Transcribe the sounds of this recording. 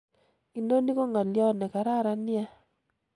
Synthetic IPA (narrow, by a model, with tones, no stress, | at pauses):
i˨no˦ni˦ko˦ŋa˨ljɔ˦nɛ˨ka˨ɾa˦˨ɾa˨nja˦